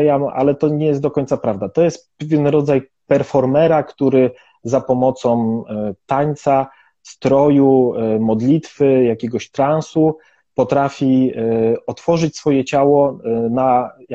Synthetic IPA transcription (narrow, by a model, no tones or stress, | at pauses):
jama̰lɛt̪ɔɲɛjɛst̪d̪ɔkɔɲʲt̪sapɾavd̪at̪ɔjɛst̪pɛvʲjɛnɾɔd̪zajpɛɾfɔɾmɛɾakt̪uɾɘ | zapɔmɔt̪sɔ̃wt̪aɲt̪sa | st̪ɾɔjumɔd̪lʲit̪fɘjakʲɛɡɔɕt̪ɾansu | pɔt̪ɾafʲi | ɔt̪fɔʐɘt͡ɕsfɔjɛt͡ɕawɔna